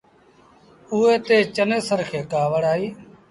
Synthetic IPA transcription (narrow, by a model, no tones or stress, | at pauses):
ʊeːt̪eːt͡ʃəneːsəɾkʰeːkaːʋəɽaːiː